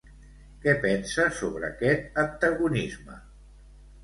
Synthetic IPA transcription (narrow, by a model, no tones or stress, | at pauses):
kɛpɛnsəsoβɾəːkɛt̪̚ənt̪əɣunizmə̰